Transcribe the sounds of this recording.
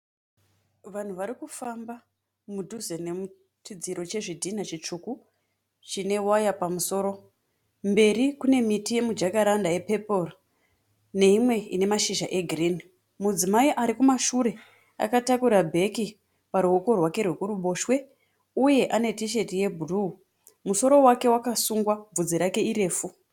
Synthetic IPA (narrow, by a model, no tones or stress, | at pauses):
ʋan̤uʋaɾikufamba | mudʱuzenemu | tid͡ziɾo̞t͡ʃe̞ʐidʱinat͡ʃit͡ʂuku | t͡ʃine̞wajapamuso̞ːɾo̞ | mbe̞ɾikune̞mitije̞mud͡ʒakaɾandajepe̞por | ne̞imwe̞ḭne̞maʃiʒaʔe̞ɡʱrini | mud͡zimaiʔaɾikumaʃuɾe̞ | a̰katakuɾabʱe̞ki | paɾuɦoko̞rwake̞rwe̞kuruɓo̞ːʃwe̞ | uje̞ʔane̞tiʃ̬e̞tije̞bʱuru | muso̞ɾo̞wake̞wakasuŋɡwab͡vud͡ziɾake̞iɾe̞ːfu